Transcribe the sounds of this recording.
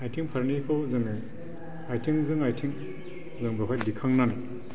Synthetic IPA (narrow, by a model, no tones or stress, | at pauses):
ajtʰiŋpʰaɾnikʰɯwzɯŋe | ajtʰiŋzɯŋajtʰiŋ | zɯŋbɔɦʰajdikʰaŋnana